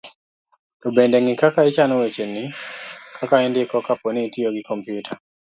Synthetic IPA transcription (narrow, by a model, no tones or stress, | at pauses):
tobendeŋɪkakait͡ʃanɔwet͡ʃenːikʰakaɛndɪkɔkaponiːtioɡikɔmpjutʰa